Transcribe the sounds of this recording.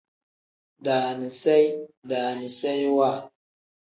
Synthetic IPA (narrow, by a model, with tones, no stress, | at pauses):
da˨ni˨sa˦jda˨ni˨sa˦jwa˦˨